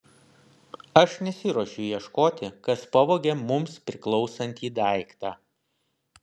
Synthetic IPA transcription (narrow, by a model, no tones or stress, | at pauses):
ɐʃnʲɛsʲɪɾoːʃʲʊjiɛʃkoːt̪ʲɪkɐspɐʋoːɡʲemʊmspʲɾʲɪklˠɔʊsɐnʲt̪ʲiːd̪æˑɪkt̪ɑː